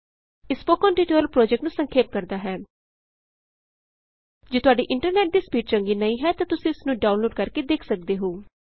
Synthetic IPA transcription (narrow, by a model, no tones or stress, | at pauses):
ɪspoːkɔ̃ːnʈiːʈeːlpɾɔːd͡ʒɛk̚ʈnũːsəŋkʰeːp̚kəɾd̪aːɦɛː | d͡ʒeːt̪ʊaːɖiːʔɪɳʈəɾnɛːʈ̚diːspjiːʈ̚t͡ʃəŋɡiːnəĩːɦɛːt̪ãːt̪ʊsĩːɪsnũːɖaːʊnloːɖkəɾkeːd̪eːkʰsək̚d̪eːɦoː